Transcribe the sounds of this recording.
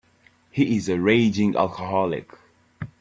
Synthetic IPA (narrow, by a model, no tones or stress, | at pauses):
hiɪzəɹeɪd͡ʒɪ̃ŋa̰lˠkʰəɦɔlɪ̰k